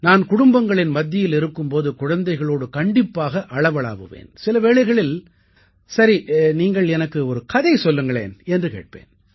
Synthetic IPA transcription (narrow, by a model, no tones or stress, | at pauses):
naːnkʊɽʊmbɐŋɡɐɭɪnmɐd̪ːɪjɪlɪɾɯkːɯmpoːðɯkʊɻɐnd̪ɐɪɣɐɭoːɽɯkɐɳɖɪpːaːɣɐʔɐɭɐʋɐɭa̰ːʋɯʋḛːnsɪlɐʋeːɭɐɪɣɐɭɪl | sɐɾiniːŋɡɐɭɛnɐkːɯɔɾɯkɐðɐɪsɔlːɯŋɡɐɭḛːnɛndrɯkḛːʈ̚pḛːn